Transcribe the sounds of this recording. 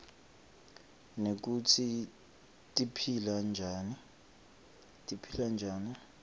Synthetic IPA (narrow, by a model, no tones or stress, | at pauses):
nek̬ut͡sʰi | tʼipʰiland͡ʒʱaːni | tʼipʰiland͡ʒʱaːni